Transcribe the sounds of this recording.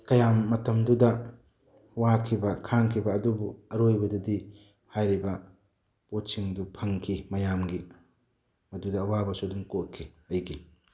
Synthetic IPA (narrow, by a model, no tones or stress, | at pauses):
kɐjamːɐtɐmdudɐ | wakʰibɐkʰaŋkʰibɐːdubuɐɾojbɐdɐdi | hajɾibɐ | potsiŋdupʰɐŋkʰimɐjamɡi | mɐdudɐwabɐsuduŋkot̚kʰːiɐjɡi